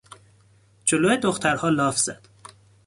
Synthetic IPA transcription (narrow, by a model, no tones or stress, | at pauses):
d͡ʒoloːjed̪oxt̪ʰæɾhɒːlɒːfz̥æ̰d̪̥